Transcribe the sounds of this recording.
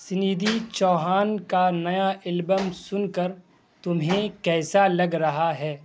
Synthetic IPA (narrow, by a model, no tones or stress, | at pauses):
sɪniːd̪it͡ʃɔːɦaːnkanɐjaʔɪlbəmsʊnkəɾ | t̪ʊmɦẽkɛːsalɐɡɾɐɦaɦɛː